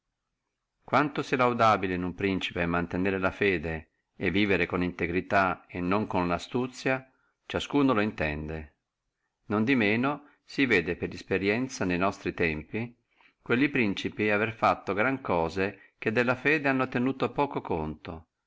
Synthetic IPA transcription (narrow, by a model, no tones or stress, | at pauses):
kwant̪osɛlawd̪aːbilenumpɾint͡ʃi̥pemːant̪eneːɾelafɛːd̪e | evːiːveɾekonint̪eɡɾit̪aenːoŋkonlast̪ut̪sːja | t͡ʃaskuːnoloint̪ɛ̰nd̪e | nond̪imeːno | siveːd̪epeɾispeɾjɛnt̪sanejnɔst̪ɾit̪ɛmpi | kwelːipɾint͡ʃipiaverfat̪ːoɡɾaŋkɔːze | k̟ed̪ːelːafɛːd̪eanːot̪enuːt̪opɔːkokont̪o